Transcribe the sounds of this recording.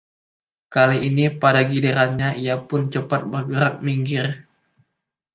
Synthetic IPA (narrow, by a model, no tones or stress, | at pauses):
kaliʔːnipadaɡideɾanɲaʔijapʊnt͡ʃəpat̪̚bərɡəɾak̚miŋɡɪr